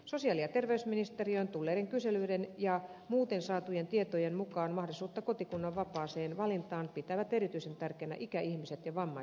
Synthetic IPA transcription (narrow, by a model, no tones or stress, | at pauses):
sosiɑliɑt̪erʋeysminist̪eriojnt̪ulːeːɾeŋkyselyːdenjɑmuːt̪ensɑːt̪ujent̪iet̪ojenmukɑːnmɑhɾisuːt̪ːɑkot̪ikunːɑʋʋɑpɑːseːnʋɑlint̪ɑːnpit̪æʋæt̪eɾit̪yisent̪ærkeːnæ̰ʔikæihmiset̪jɑʋɑmːɑ